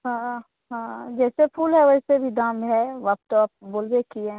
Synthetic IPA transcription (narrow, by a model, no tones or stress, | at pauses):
ɦãː | ɦãːd͡ʒɛːsepʰuːlɦɛʋɐsebʱid̪ãːmɦɛʋɐp̚t̪op̚boːlwekiẽ